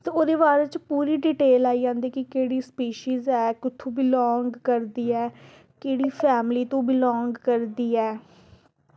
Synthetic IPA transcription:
t̪eoːd̪eːβaːɾeːt͡ʃpuːɾiːɖiʈeːlaːiːd͡ʒãːnd̪iːkɪkeːɽiːspeːʃiːzɛːkʊt̪ʰːõːbiːlɔːŋɡkəɾd̪iːɛː | keːɽiːpʰɛːmliːt̪õːbilɔ̃ːŋɡkəɾd̪iːɛː

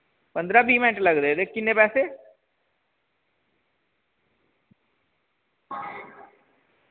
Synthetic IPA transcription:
pə̃nd̪ɾabiːmenʈlɐɡd̪ed̪eːkkɪnːepɛːse

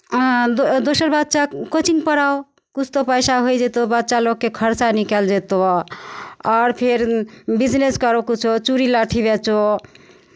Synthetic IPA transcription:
od̪osəɾbəd̪t͡ʃakot͡ʃiŋɡpəɾao | kut͡ʃʰt̪opəjsaɦojd͡ʒet̪obədːʃaloɡ̚kekʰəɾt͡ʃanikɛld͡ʒet̪o | ɔːɾpʰeɾbid͡ʒneskəɾokut͡ʃʰot͡ʃuɾilaʈʰibet͡ʃo

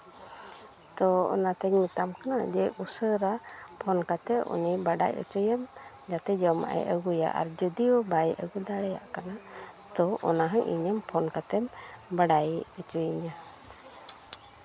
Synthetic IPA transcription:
t̪ɔɔ̰nat̪ɛɲmit̪amkanad͡ʒɛusəɾapʰɔnkat̪ɛʔʔṵnibaɖa̰jṵt͡ʃujəm | d͡ʒat̪ɛd͡ʒɔma̰ʔɛ̰ʔəɡuja̰ʔa̰ɾd͡ʒəd̪iɔbajɛʔəɡud̪aɽɛja̰ʔkanat̪ɔʔɔnaɦəɲʔḭɲəmpʰɔnkat̪ɛmbaɖajut͡ʃujɲa

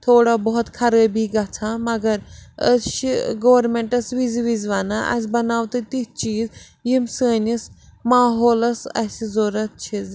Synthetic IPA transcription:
t̪ʰoːɽabɔɦɔt̪kʰɐɾəːbiɡɐt͡sʰãmɐɡɐɾɐ̰sʃiɡoʋɐɾmẽɳʈɐsʋiziʋizʋanaʔɐ̰sʲbɐnaːwt̪ɨt̪it̚t͡ʃiːz | jimsəːnismaːɦoːlɐsɐ̰sizoːɾɐt̪̚t͡ʃʰiz

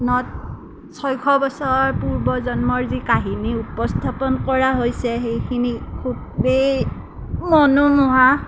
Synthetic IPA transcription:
nɔt̚ | sɔjkʰɔbɔsɔɹɔɹpuɹbɔzɔnmɔɹzikaɦiniupɔstʰapɔnkɔɹaɦojsɛɦejkʰinikʰub̚ | be | mɔnumɔɦa

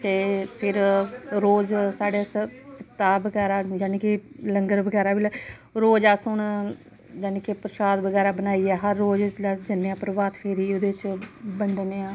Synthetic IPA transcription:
t̪eːpʰɪɾɾoːd͡ʒsaːɖeːsəp̚t̪aːbəɡɛːɾaːd͡ʒaːnĩːkeləŋɡəɾbəɡɛːɾaːʋil | ɾoːd͡ʒaːsʊn | d͡ʒɛːnẽːkepɾʃaːd̪ʋəɡɛːɾaːbənaːiːɛːɦəɾːoːd͡ʒlɛd͡ʒənːeãːpəɾʋaːt̪pʰeːɾiːod̪eːt͡ʃbənd̪neːãː

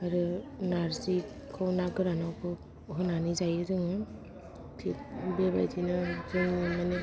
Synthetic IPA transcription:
aɾɯnaɾsi | kʰawnaɡɯɾanawkʰɯ | ɦɯnanizajɯzɯŋɯ | kʰik̚beba̰jzinɯzɯŋimane

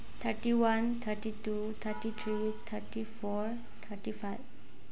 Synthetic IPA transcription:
t̪ʰəʈiwant̪ʰəʈitu | t̪ʰəʈit̪ʰɾi | t̪ʰəʈifɔɾ | t̪ʰəʈifajv

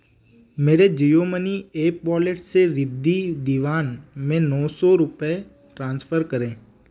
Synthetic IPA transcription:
meːɾed͡ʒijoməniepɔleʈseɾɪd̪ʱid̪iʋaːnmẽnɔsɔɾʊpe | ʈɾãːnsfʰəɾkəɾẽː

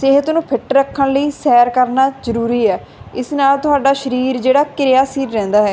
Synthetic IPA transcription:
sɪɦət̪nũːpʰɪʈɾəkʰːənləiːsɛːɾkəɾnaːzəɾuːɾiːɛː | ɪsnaːlt̪ʊɦaːɖaːʃəɾiːɾd͡ʒeːɽaːkɪɾjaːsiːɾːɛ̃ːnd̪aːɦɛː

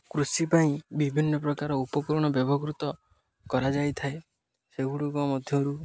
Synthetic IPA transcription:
kɾusipaĩbibʱinːɔp̬ɾɔkaɾɔupɔkɔɾɔɽ̃ɔbjɔbʱɔɡɾut̪ɔ | kɔɾad͡ʒajt̪ʰae | seɡuɽukɔmɔd̪ʱjɔɾu

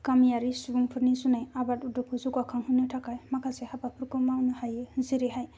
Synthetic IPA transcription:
kamijaɾisubuŋpʰɯɾnizunajabatudɔkʰuzuɡwakʰaŋɦunɯtʰakajmakʰasɛhapapʰɯɾkɯmawnɯhajeziɾeɦaj

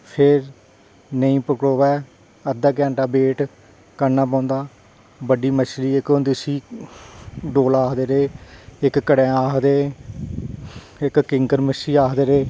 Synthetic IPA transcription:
pʰɪɾ | nəĩːpəkɽoːʋɛː | əd̪aːk̬ɛ̃ːɳʈaːbeːʈ | kəɾnaːp̬ãːnd̪aː | bəɖiːməʃɾiːɪkond̪isiː | ɖoːlaːkd̪eːɾeːɪkːəɽẽːaːkd̪eː | ɪkːɪŋkəɾmɪsiːaːkd̪eːɾeː

